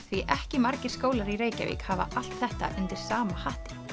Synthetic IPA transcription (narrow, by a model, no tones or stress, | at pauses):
θviʔɛhcɪmaɾcɪɾ̥skoːwlaɾiɾeːjca̰vḭkhava̰ʔal̥t̪θɛht̪a̰ʔʏnt̪ɪɾ̥saːmahaht̪ɪ̥